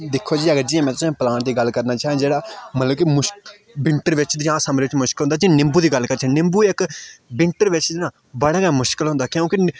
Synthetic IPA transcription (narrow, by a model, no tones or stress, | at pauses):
d̪ɪkʰːoːd͡ʒiːəɡəɾd͡ʒiːãmɛ̃ːt̪ʊsãːpəlaːɳd̪iːɡəlkəɾnaːt͡ʃaːɦẽːd͡ʒeːɽaːmət̪ləb̚kimʊʃ | bɪ̃ɳʈəɾʋɪt͡ʃd̪ɪãːsəmɾeːʋɪt͡ʃmʊʃkəlɦʊnd̪aːd͡ʒiãnɪ̃mbuːd̪iːɡəlkəɾt͡ʃʰɛ̃nɪ̃mbuːɪkbɪ̃ɳʈəɾʋɪt͡ʃd̪ɪnãː | bəɽaːɡãːmʊʃkəlɦʊ̃nd̪aːkjõːkɪ